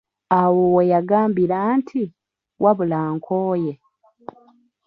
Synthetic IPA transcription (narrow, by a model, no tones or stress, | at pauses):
awowejaɡaːmbiɾantʰi | wʔaβulaːŋkʰoːje